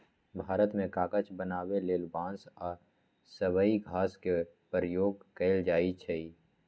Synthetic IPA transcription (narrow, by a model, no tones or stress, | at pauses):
bʱaːɾət̪mẽkaːkət͡ʃbənaːweleːlbãːnsɔːɾ | səwəiɡʱaːskepəɾjoːɡkəɪld͡ʒaːit͡ʃʰɛi